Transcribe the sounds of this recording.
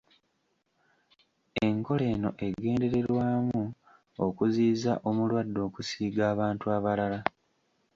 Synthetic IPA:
e̞ŋko̞le̞ːno̞̰ʔe̞ɡe̞ːnde̞ɾe̞ɾwaːmu | okuziːza̰ʔo̞mulwadːo̞ːkusiːɡaːβaːntuaβalala

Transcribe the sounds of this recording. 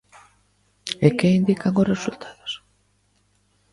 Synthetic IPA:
ekeind̪ikaŋʊsresult̪ʰaðʊs

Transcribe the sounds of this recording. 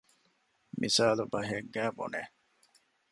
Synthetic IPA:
misaːlubɐɦeɡːæːbo̰ne

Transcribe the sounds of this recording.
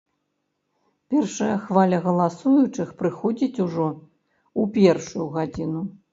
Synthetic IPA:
pʲɛrʂɐjɐxvalʲɐɣɐlˠasujut͡ʂɨxpɾɨxɔd͡zʲit͡sʲuʐɔ | upʲɛrʂujuɣad͡zʲinu

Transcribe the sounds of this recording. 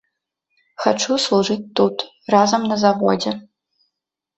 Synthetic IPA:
xa̰ʈ͡ʂʰuslˠuʐɨtʲːutʰ | razɐmnɐzavodɛ

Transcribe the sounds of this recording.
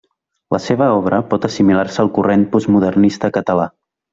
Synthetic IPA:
lʔəseβəɔβ̞ɾəpɔt̪əsimilaɾsəːlˠkurenpuzmuðərnist̪əkət̪əla

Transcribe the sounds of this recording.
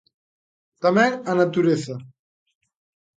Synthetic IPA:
t̪amɛŋanat̪uɾeθa

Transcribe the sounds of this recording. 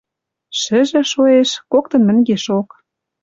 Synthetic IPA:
ʃɘ̆ʒĕʃoeʃkokt̪ɤ̆nmɘ̆ŋʲɡeʃok

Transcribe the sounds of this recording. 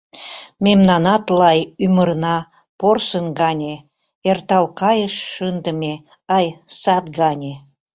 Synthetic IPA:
mʲemnɑnɑt̪lˠɑjyməɾnɑ | porsənɡɑnʲe | ert̪ɑlkɑjəʃːənd̪əmʲe | ɑjsɑt̪ɡɑnʲe

